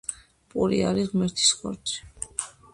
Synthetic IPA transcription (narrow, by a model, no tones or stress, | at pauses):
pʼuɾḭaɾiʁmɛɾt̪ʰi̥sχɔ̰ɾd̪ʰi̥